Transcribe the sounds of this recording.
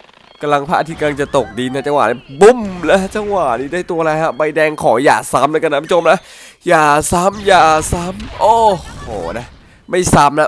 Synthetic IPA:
ka˧mla˧ŋpʰa̰˦˥ʔa˧t̪ʰiː˦˧˩ka˧la˧ŋt͡ɕa˨˩t̪o˨˩k̚di˧nːa˦˥t͡ɕa˧wa̰ː˨˩ni˦˥bu˧˩mlɛ˦˥t͡ɕa˧ŋwa˨˩niː˦˥daː˥˩jt̪u˧ɐ˧ɾa˧jkʰa˦˥ba˧jdɛː˧ŋkʰɔː˩˦ja̰ː˨˩sa˦˥mloː˧˦ka˧nː˦˥pʰt͡ɕʰo˧mla˦˥ | jaː˨˩sa˦˥mjaː˨˩sa˦˥mʔoː˧˩hoː˨˩na˦˥ | ma˥˩jsa˦˥mna˦˥

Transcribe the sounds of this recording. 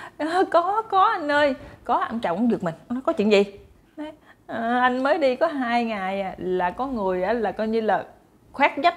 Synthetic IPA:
ʔəː˨˩kɔ˨˦kɔ˨˦ʔa˧jŋ̟ʔəː˧jkɔ˨˦ʔa˧ŋt͡ɕa̰˧˨ŋ͡mʔa˧ŋ͡mɗɨ˨˩ək̚mï˨˩ŋ̟ʔa˧ŋnɔ˨˦jkɔ˨˦t͡ɕḭ˧˨ŋzi˨˩ | a˨˦j | ʔːʔa˧jŋ̟məː˨˦jɗi˧kɔ˨˦ɦaː˧jŋa˨˩jʔaː˨˩laː˨˩kɔ˨˦ŋɨ˨˩əjʔaː˨˩laː˨˩kɔː˧jɲɨ˧laː˨˩ | xwaː˦˥k̚ɲə˦˥t̚

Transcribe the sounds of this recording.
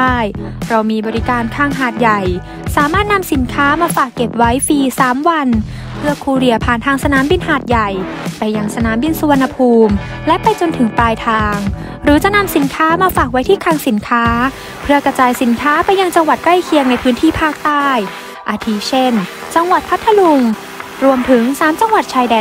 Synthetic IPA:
aː˥˩jɾa˧wmiː˧bɔː˧ɾi˦˥kaː˧nkʰaː˧ŋɦaː˨˩t̪̚ja˨˩j | saː˨˩˦maː˥˩t̪̚na˧msi˨˩˦nkʰaː˦˥maː˧faː˨˩kːe˨˩p̚wa˦˥jfiː˧saː˩˦mwa˧n | pʰɯ˥˩ɐkʰuː˧ɾi˧ɐpʰaː˨˩nt̪ʰaː˧ŋsa˧naː˩˦mbi˧nɦaː˨˩t̪̚ja˨˩jpa˧jːa˧ŋsa˧naː˩˦mbi˧nsu˧a˧nːa˧pʰuː˧m | lɛ˦˥ʔpa˧jt͡ɕo˧nt̪ʰɯ˨˩˦ŋpaː˧jt̪ʰaː˧ŋ | ɾɯː˩˦t͡ɕa˨˩na˧msi˩˦nkʰaː˦˥maː˧faː˨˩k̚wa˦˥jt̪ʰiː˥˩kʰaː˧ŋsi˩˦nkʰaː˦˥ | pʰɯ˥˧˩ɐkɾa˧t͡ɕaː˧jsi˩˦nkʰaː˦˥pa˧jːa˧ŋt͡ɕa˧ŋwa˨˩t̪̚kla˥˩jkʰi˧əŋna˧jpʰɯː˦˥nt̪ʰiː˥˩pʰaː˥˩k̚t̪aː˥˩j | ʔaː˧t̪ʰi˧˥t͡ɕʰe˥˩n | t͡ɕa˧ŋwa˨˩t̪̚pʰa˦˥t̪ʰːa˧lu˧ŋ | ɾu˧əmt̪ʰɯ˩˦ŋsaː˩˦mt͡ɕa˧ŋwa˨˩t̪̚t͡ɕʰaː˧jdɛː˨˧˩

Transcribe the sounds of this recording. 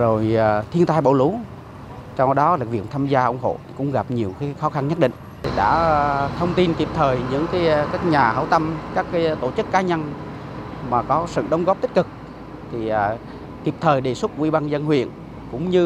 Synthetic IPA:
zo˨˩jːt̪ʰi˧ənt̪aː˧jɓo̰˧˩lu˨˦ | t͡ɕɔ˧wɗɔ˨˦la˨˩k̚vḭ˧˨ənt̪ʰaː˧mzaː˧ʔə˧wŋ͡mɦo̰˧˨kʊ̰˧˥ŋ͡mɣa˨˩p̚ɲi˨˩əwxaː˨˦xɔ˨˦xa˧nɲə˦˥t̚ɗḭ˧˨ŋ̟˨˩ɗa̰ː˧˥t̪ʰə˧wŋ͡mt̪i˧nki˨˩p̚t̪ʰəː˨˩jɲɨ̰˧˥ŋkaː˨˦jkaː˦˥k̚ɲaː˨˩hə̰˧˩wt̪ə˧mkaː˦˥kːaː˨˦jt̪o˧˩t͡ɕɨ˦˥kːaː˨˦ɲə˧n | maː˨˩kɔ˨˦sɨ̰˧˨ɗə˨˦wŋ͡mɣɔ˦˥p̚t̪ï˦˥k̟̚kɨ˨˩k̚ | t̪ʰi˨˩˨ | ki˨˩əp̚t̪ʰəː˨˩jɗe˨˩swʊ˦˥t̚kwi˧ɓa˧nzə˧nhwḭ˧˨ən | kʊ̰˧˥ŋ͡mɲɨ˧

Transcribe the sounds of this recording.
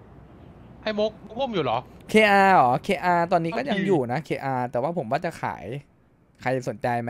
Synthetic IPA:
ʔa˧˥˩jmo˦˥k̚mo˦˥ko˥˩mjuː˨˩lɔː˩˦kʰeː˧ʔaː˧lɔː˩˦kʰeː˧ʔaː˧t̪ɔː˧nːiː˦˥kɔː˥˩ja˧ŋjuː˨˩na˦˥kʰeː˧ʔaː˧t̪ɛː˨˩waː˥˩pʰo˩˦waː˥˩t͡ɕa˨˩kʰa̰ː˩˦j | kʰa˧jso˨˩˦nt͡ɕa˧jm˦

